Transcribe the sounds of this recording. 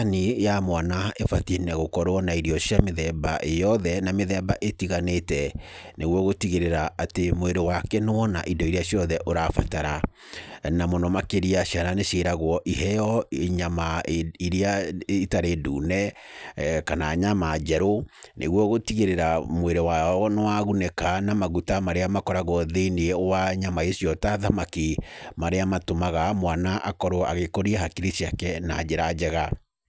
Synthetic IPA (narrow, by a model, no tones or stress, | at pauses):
nijamwanaefatenɛɣokɔɾwɔnaiɾiɔɕjameðɛbaʔejɔðɛnameðɛbaʔetiɣanetɛneɣwɔɣotiɣeɾeɾaʔatemoeɾewakɛnowɔnaʔidɔiɾiaɕjɔðɛʔoɾafataɾa | namonɔmakeɾiaɕjananeɕeɾaɣwɔʔihɛjɔeɲamaiɾiaitaɾedṵːnɛ | kanaːɲamad͡ʑɛɾonʔḛɣwɔɣotiɣeɾeɾamweɾewaɔnewaɣunɛkanamaɣutamaɾeamakɔɾaɣwɔðeinewaɲamaesjɔtaðamakimaɾeamatomaɣamwanaʔakɔɾoa̰ɣekoɾiɛɦakiɾisiakɛnad͡ʑeɾad͡ʑɛɣa